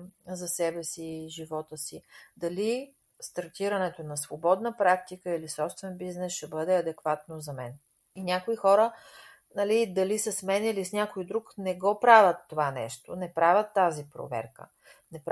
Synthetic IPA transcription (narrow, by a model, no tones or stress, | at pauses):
zɐsɛbɛsiʒivɔt̪əsid̪ɐli | st̪ɐɾt̪iɾɐnɛt̪onɐsvobɔd̪nəpɾak̚t̪ikəilisɔpst̪vɛnbiznɛsʃɛbɤd̪ɛɐd̪ɛkvat̪nozɐmɛn | inʲakoixɔɾə | nɐlid̪ɐlisəsmɛnilisnʲakojd̪ɾuknɛɡɔpɾavʲət̪ːovanɛ̰ʃt̪onɛpɾavʲət̪ːazipɾo̰vɛ̰ɾkə̰ | nɛp